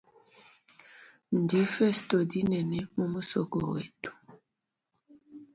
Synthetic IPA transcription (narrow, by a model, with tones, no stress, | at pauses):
n̩˨di˨˦fɛ˦sto˨di˦nɛ˨nɛ˨mo˦mu˦sɔ̰˨kɔ̰˨wḛ˨tu̥˨